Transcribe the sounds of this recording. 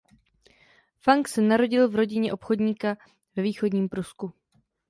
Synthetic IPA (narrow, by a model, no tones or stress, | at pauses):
faŋksɛnaɾo̞ɟɪlvɾo̞ɟɪɲɛʔo̞pxo̞dɲiːka | vɛviːxo̞dɲiːmpɾusku